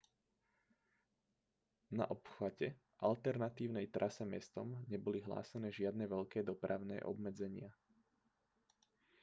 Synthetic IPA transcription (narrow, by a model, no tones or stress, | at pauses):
naʔɔpxaɟɛ | ʔalt̪ɛɾnat̪iːʊnɛjt̪ɾʔasɛmɛst̪ɔmɲɛbɔliɦla̰ːsɛnɛːʒɪad̪nɛʋɛʎkɛːd̪ɔpɾʔaʊnɛ̰ːʔɔ̰bmɛd͡zɛɲɪa